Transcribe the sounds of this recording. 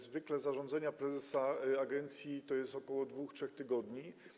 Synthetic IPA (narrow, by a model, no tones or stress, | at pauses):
zvɘklɛzaʐɔ̃nd̪zaɲapɾɛzɛsaaɡɛnt̪sʲjit̪ɔjɛst̪ɔkɔwɔd̪vuxtʂɛxt̪ɘɡɔd̪ɲi